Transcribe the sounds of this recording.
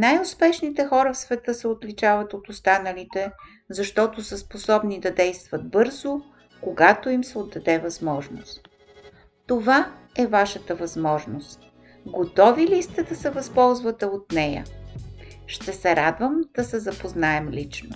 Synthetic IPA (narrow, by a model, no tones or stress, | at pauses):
najʊspɛʃnit̪ɛxɔɾəfsvɛt̪ɤsɛot̪lit͡ʃavɐt̪ot̪ost̪anəlit̪ɛ | zɐʃt̪ɔt̪osəsposɔbnid̪ɐd̪ɛjst̪vɐd̪̚bɤɾzo | koɡat̪oimsɛod̪ːɐd̪ɛvɐzmɔʒno̰st̪ | t̪ova | ɛvaʃət̪əvɐzmɔʒnost̪ | ɡot̪ɔvilist̪ɛd̪ɐsɛvɐspɔlˠzvɐt̪ɛot̪̚nɛjə̰ | ʃt̪ɛsɛɾad̪vəmd̪̥ɐsɛzɐpoznaɛmlit͡ʃno̰